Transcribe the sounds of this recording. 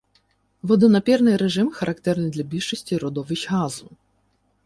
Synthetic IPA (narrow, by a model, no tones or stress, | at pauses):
vɔd̪ɔnɐpʲɛrnɨjɾɛʐɨmxɐɾʔɐkt̪ɛrnɨjd̪lʲɐbʲiʂɨsʲtʲiɾɔd̪ɔvʲɪt͡ɕɣazu